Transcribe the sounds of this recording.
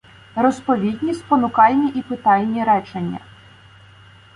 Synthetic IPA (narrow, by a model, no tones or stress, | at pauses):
rɔspɔʋʲid̪ʲnʲisʲpɔnʊkɑlʲnʲiʔipɪt̪ɑlʲnʲiɾɛt͡ʃenʲːɐ̰